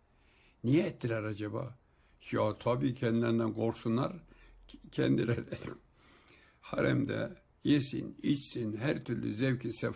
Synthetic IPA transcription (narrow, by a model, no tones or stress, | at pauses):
nijɛɛt̪ːilæɾɑd͡ʒaba̰ | jat̪ʰabiːcʰɛnd̪ilʲæɾnd̪ænɡoɾksunːˠaɾ | cʲʰɛ̰nd̪ilɛɾɛ | haɾɛ̰md̪ɛ̰ | jesḭnit͡ʃsinɦæɾt̪ʰyɾly̰zɛwkʰisɛ